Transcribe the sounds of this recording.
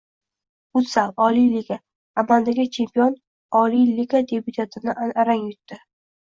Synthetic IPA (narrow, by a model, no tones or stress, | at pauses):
ʊt̪saɒlijliɡʲaː | mald̪aɡʲɪt͡ʃʰe̞mpijɒn | ɒliliɡad̪ebut̪ʰat̪ʰɪnɪʔanaɾaŋjʊt̪ːɪ